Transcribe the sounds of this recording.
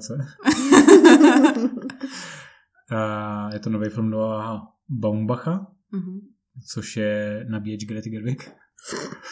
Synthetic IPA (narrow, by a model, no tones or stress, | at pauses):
t͡sɛ | jɛt̪onovɛjfɪlmdoaaɦa | baumbaxa | ɦ̩ | t͡soʃjɛnabiːɛd͡ʒɡɾɛt̪ɪɡɛɾvɪk